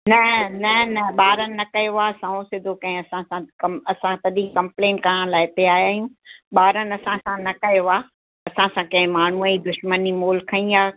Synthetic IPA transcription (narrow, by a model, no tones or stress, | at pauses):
nɐnɐnɐɓaːɾənɪ̆nɐkɐjoaːsɐ̃õsɪd̪ʱokɐ̃ɦɪ̃ɐsãsãkɐmɐsãt̪ɐd̪ĩkɐ̃mpleːnkɐɾəɽ̃laːɪɪt̪eaːjaːijũɓaːɾənɪ̆ɐsãsãnɐkɐjoaː | ɐsãsãkɐ̃ɦɪ̃maːɳ̤uəĩd̪ʊʃmənimoːlkʰɐ̃ĩaː